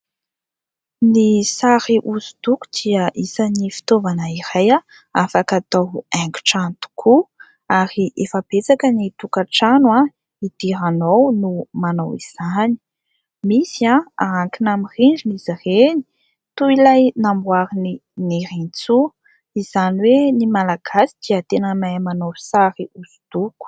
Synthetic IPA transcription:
nisaɾiʔuzud̪uku̥d̪̥iəʔisanifi̥t̪ovanaiɾaja | afakat̪awɛŋɡu̥ʈ͡ʂant̪u̥kʰu | aɾiʔefabet͡sakənit̪ukaʈ͡ʂanwa | id̪̥iɾanownumanowiz̥ani̥ | misiaaaŋkinamiriɳɖ͡ʐinizireni̥ | t̪uilajnambwaɾininiɾint͡su | iz̥aniwenimalaɡ̥asi̥d̪̥iat̪enəmajmanowsaɾiuz̥u̥d̪̥uku̥

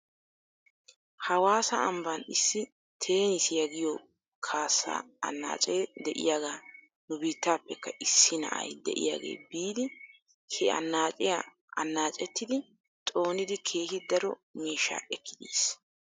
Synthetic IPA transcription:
hɐwaːsɐɐmbɐnɪsːɪ | t̪ʰe̞ːnɪsjɐɡɪjɔ | kʰaːsːa̰ːɐ̰nːa̰ːt͡ʃʼeːd̪ɛʔɪ̰jaːɡaː | nʊbiːt̪ːaːpːɛkːɐʔɪsːɪnɐ̰ʔɐ̰jd̪ɛ̰ʔɪ̰ja̰ːɡe̞̰ːbiːd̪ɪ | hɛɐ̰nːaːt͡ʃʼɪja | ɐnːaːt͡ʃʼɛt̪ːɪd̪ɪ | t̪ʼo̞ːnɪd̪ɪkʰe̞ːhɪd̪ɐɾɔ̰miːʃːa̰ːʔɛkːɪd̪iːs

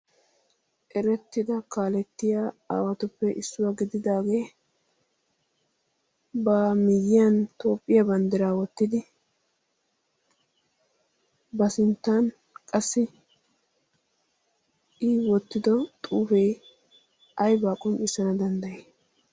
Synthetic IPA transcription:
ʔɛɾɛt̪ːɪd̪ɐkaːlɛt̪ːɪjaːa̰ːwɐt̪ʊpːɛʔɪsːʊwaɡɪd̪ɪd̪aːɡeː | bɐmɪjːɪjɐnt̪o̞ːpʼːɪjɐbɐnd̪ɪɾaːwɔt̪ːɪd̪ɪ | bɐsɪnt̪ːan | kʼɐsːɪ | ɪwɔt̪ːɪd̪ɔt̪ʼuːfeː | ɐjbaːkʼʊnɪsɐnɐd̪ɐnd̪ɐjeː

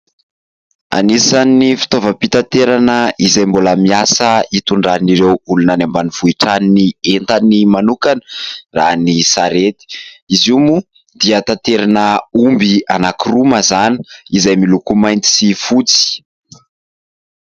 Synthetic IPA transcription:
a̰nisanːifi̥t̪ovəpit̪at̪eɾanəizajmboləmiasəit̪uɳɖ͡ʐaniɾewulunanambaniv̥uiʈ͡ʂaninient̪animanukanəranisaɾet̪i̥izumu | d̪iət̪at̪eɾanəumbianakiruməzani̥izajmilukumajnt̪i̥sifut͡si̥

